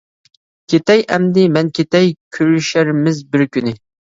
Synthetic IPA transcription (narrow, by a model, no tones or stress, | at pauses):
kʲʰet̪ɛjʔɛmd̪ɪmɛnkʲʰet̪ɛjkʲʰyɾyʃæɾmɪzbɪɾkʲynɪ